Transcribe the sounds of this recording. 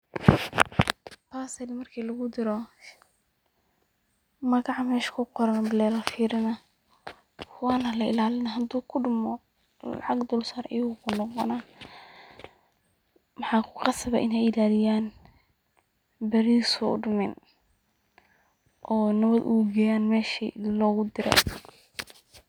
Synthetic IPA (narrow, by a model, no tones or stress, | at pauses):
pʰaːsɛlmɐrkʰiːlɐɣʊd̪ɪɾɔ | mɐɣɑʕɑmɛːʃkʰʊqɔɾɐnbɪlɛlɐlfiːɾɪnɐ | wɑːnɐlɐɪ̰laːlɪnɐɦɐd̪uːkʰʊɖʊmɔ | lɑ̰ʕɑɡd̪ʊlsaɾʔɐjɣʊkʰʊnɔqɔ̰na | mɑħɑːkʰʊ̥qɑsɐβɛ̰ʔɪnɛjɪlaːlɪjaːn | bɐɾiːsɔɖʊmɛn | ʔɔːnɐβɐd̪ʔṵɡɛjaːnmɛːʃḭlɔːɣʊd̪ɪɾɛ̰